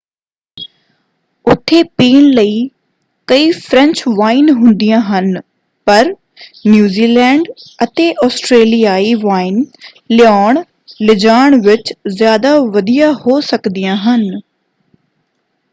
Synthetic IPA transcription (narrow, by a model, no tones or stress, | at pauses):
ʊt̪ʰːeːpiːnləiː | kəiːpʰɾə̃ɲt͡ʃʋaːinɦʊ̃nd̪ijãːɦən | pəɾ | njuːziːlɛːɳɖət̪eːʔɔːsʈɾeːlijaːiːʋaːin | lɪjaːɳ | lɪd͡ʒaːɳʋɪt͡ʃzjaːd̪aːʋəd̪ijaːhoːsəkd̪ɪjãːɦən